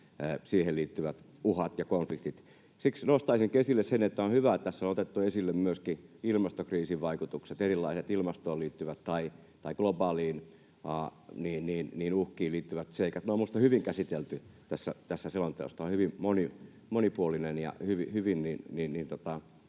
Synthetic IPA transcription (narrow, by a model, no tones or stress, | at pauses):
siːheliːt̪ːyʋæt̪ | uhɑt̪jɑkonflikt̪it̪ | siksnost̪ɑisiŋkesilːessenet̪ːæonhyʋæt̪æsːonot̪et̪ːuesilːemmyøskiilmɑst̪okriːsiʋʋɑikut̪ukset̪erilːɑiset̪ilmɑst̪oːliːt̪ːyʋæt̪t̪ɑi | t̪ɑiɡ̥lobɑːliːn | ɑniːnniːnniːnuhkˑiːliːt̪ːyʋæt̪seikɑt̪noːmust̪ɑhyʋiŋkæsit̪elt̪yt̪æsːæt̪æsːæselont̪ḛo̰st̪ɑonhyʋimmoni | monipuolinenjɑ̰hyʋihyʋinniːnniːnniːnt̪ot̪ɑ